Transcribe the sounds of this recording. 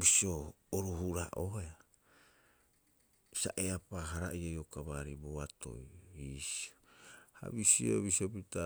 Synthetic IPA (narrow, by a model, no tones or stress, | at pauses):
bisio | oɾuɦuɾaʔoea | saʔeapaɦaɾaiojokaβaɾiboato̞̰jisi̥oha̰βisio̰βisiopita